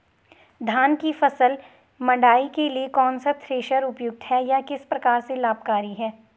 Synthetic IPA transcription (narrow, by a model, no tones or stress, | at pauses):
d̪ʱaːnkifɐsəl | mɐ̃ɳɖaːikeliekɔːnsat̪ʰɾeːʃəɾʊpjʊɡ̚t̪ɦɛjakɪspɾɐkaːɾselaːb̚kaːɾiɦɛː